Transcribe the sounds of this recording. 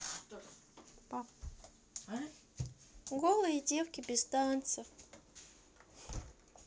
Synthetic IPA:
pa | ɡolˠəidʲe̞fkʲɪbʲɪzt̪ant̪səf

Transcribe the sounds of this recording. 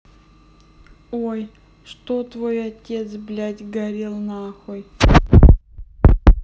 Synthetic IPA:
oj | ʂt̪ot̪vojɐtʲet̪sblʲatʲɡɐɾʲilˠnaxoj

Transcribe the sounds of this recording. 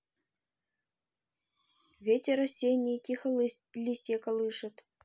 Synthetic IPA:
vʲetʲeɾɐsʲenʲikʲixəlʲisʲtʲekɐlˠɨʂɤ̆t̪

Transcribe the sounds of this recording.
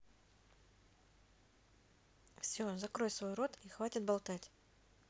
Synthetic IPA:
fsʲozɐkɾo̞j̪svo̞jro̞t̪ixvatʲɪt̪̚bɐlˠt̪atʲ

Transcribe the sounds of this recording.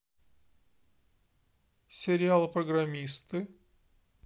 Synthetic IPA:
sʲɪɾʲɪalˠɨpɾəɡramʲist̪ɨ

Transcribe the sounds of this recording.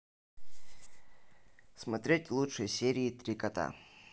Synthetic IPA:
smɐt̪ɾʲetʲvlˠutʂəjsʲeɾʲiːt̪ɾʲikɐt̪a̰

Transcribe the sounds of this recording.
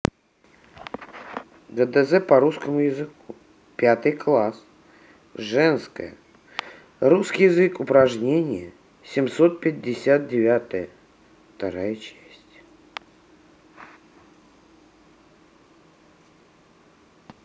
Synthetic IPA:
ɡəd̪ɛzɛpɐɾuskəmʊjɪzɨku | pʲat̪ɨjklˠas | ʐɛnskə̰jə̰ | ruskʲijɪzɨkʊpɾɐʐnʲenʲɪjə | sʲɪmsot̪̚pʲɪdʲːɪsʲat̪̚dʲɪvʲat̪əjə | ft̪aɾajət͡ɕæsʲtʲ

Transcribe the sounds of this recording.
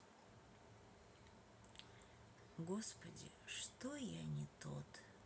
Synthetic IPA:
ɡospɐdʲḭʂt̪ojanʲit̪ot̪

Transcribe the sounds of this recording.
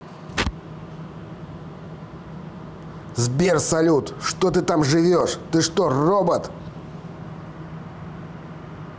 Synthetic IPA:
zbʲersɐlʲut̪ʂt̪ot̪ɨt̪amʐɨvʲoʂt̪ɨʂt̪orobət̪

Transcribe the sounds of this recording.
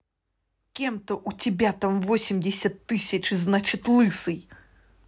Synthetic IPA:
kʲɛmt̪ɔʔut͡sʲibʲat̪amvɔsʲimʲdʲɪsʲɐt̪ːɨsʲɐt͡ʂɨznat͡ʂɨt̪ʲlˠɨsɨj

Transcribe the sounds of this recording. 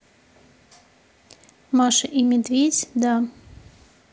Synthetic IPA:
maʃəʔimʲɪd̪vʲedʲd̪a

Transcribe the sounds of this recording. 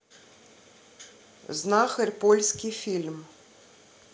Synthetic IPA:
znaxɐrʲpɔlʲskʲifʲilʲm

